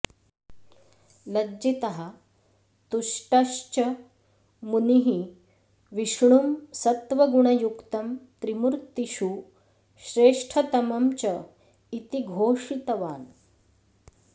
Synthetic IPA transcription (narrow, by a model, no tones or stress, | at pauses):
lɐd͡ʑit̪ɐɦa | t̪uʂʈɐʂt͡ɕɐ | muniɦi | ʋiʂɳumsɐt̪ʋɐɡuɳ̃ɐjukt̪ɐmt̪ɾimuɾt̪iɕu | ɕɾeːʂʈʰɐt̪ɐmɐmt͡ɕɐ | it̪iɡʱoːʂit̪ɐʋaːn